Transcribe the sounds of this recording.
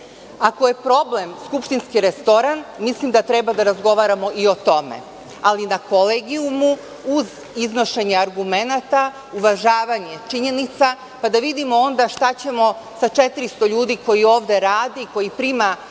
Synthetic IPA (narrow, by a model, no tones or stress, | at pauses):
ako̞je̞pɾo̞ble̞mskupʃt̪inskiɾest̪o̞ɾanmislimd̪at̪ɾebad̪aɾazɡo̞ʋaɾamo̞io̞t̪o̞mḛ | alinako̞leːɡiumu | uz | izno̞ʃe̞ɲeaɾɡume̞nat̪a | uʋaʒaːʋaɲe̞t͡ʃiɲe̞nit̪sa | pad̪aʋid̪imo̞o̞nd̪aʃt̪at͡ɕe̞mo̞ | sat͡ʃet̪iɾist̪o̞ʎuːd̪iko̞jio̞ːʋd̪e̞ɾaːd̪iːko̞jipɾima